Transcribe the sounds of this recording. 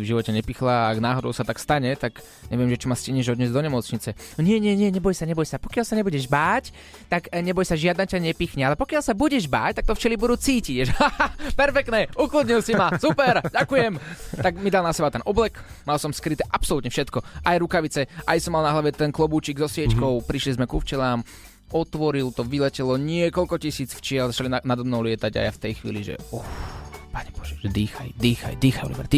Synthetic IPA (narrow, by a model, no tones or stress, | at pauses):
ivʒiʋɔcɛɲɛpixlaːɡnaːɦɔd̪ɔ̰ʊsat̪akst̪aɲɛt̪aɡ | ɲɛ̰ʋɪɛmʒɛt͡ʃɔmascɛɲɛʒɔd̪ɲɛzd̪ɔɲɛmɔt͡sɲit͡sɛɲɪɛɲɪɛɲɪɛɲɛbɔjsaɲɛbɔjsapɔkɪalsaɲɛbuɟɛʒbaːc | t̪aɡɲɛbɔjsaʒɪad̪nacaɲɛpiːxɲɛalɛpɔkɪalsabuɟɛʒba̰ːct̪akt̪ɔft͡ʃɛlibud̪ut͡siːciʒapɛɾfɛk̚t̪nɛuklud̪ɲilsimasupɛɾɟakujɛmt̪aɡmid̪alˠnasɛbat̪ɛnʔɔblɛkmalˠsɔmskɾit̪ɛʔapsɔlut̪ɲɛfʃɛt̪kɔʔajɾukaʋit͡sɛʔajsɔmalnaɦlaʋɛt̪ɛnklˠɔbuːt͡ʃiɡzɔsɪɛckɔʊpɾiʃlizmɛkuft͡ʃɛlaːm | ɔt̪ʋɔɾilt̪ɔʋilɛcɛlɔɲɪɛkɔlkɔcisiːt͡sft͡ʃɪɛlzat͡ʃalinanad̪ɔmnɔʊlɪɛt̪aɟa̰ja̰ft̪ɛjxʋḭːliʒɛ̰ɔxpaɲɛbɔ̥ʒ̥ɛ̥ʒɛd̪iːxa̰jd̪iːxa̰jd̪iːxajɔ̰libɛ̰ɾt̪i